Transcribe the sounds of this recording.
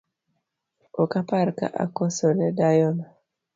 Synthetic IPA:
okapaɾka̰ʔa̰kosɔnɛdajɔna

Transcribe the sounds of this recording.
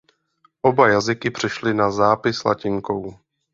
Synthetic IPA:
ʔo̞bajazɪkɪpr̝̥ɛʃlɪnazaːpɪsla̰cɪŋko̞w

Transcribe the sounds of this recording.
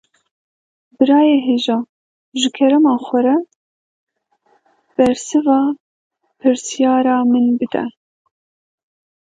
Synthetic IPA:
bɨɾɑːjeːɦeːʒɑː | ʒɨkʰɛɾɛmɑːxʷɛɾɛ | b̥ɛɾsɨvɑː | pʰɨɾsjɑːɾɑːmɨnbɨd̪ɛ̰

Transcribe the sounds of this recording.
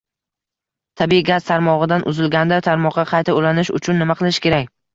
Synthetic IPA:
t̪ʰabiɡaz̥t̪ʰaɾmɒʁɨd̪anʔʊ̰zɪlɡʲand̪at̪ʰaɾmɒqːɑqʰɑjt̪ʰaolanɪʃʊ̰t͡ʃʰʊnːɪmaqʰɨlˠɪʃkʲe̞ɾakʲ

